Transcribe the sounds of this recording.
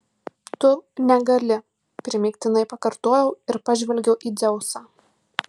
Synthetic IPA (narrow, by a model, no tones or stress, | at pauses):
t̪ʊnʲɛɡɐlʲɪ | pʲɾʲɪmʲɪkt̪ʲɪnɐɪpɐkɐɾt̪oːjɛʊɪɾpɑʒʲʋʲɛlʲɡʲɛʊʔiːd̪ʲɛʊsɑː